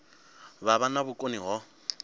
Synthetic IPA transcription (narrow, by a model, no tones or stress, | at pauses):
baβanabʊkʼoniɣɔ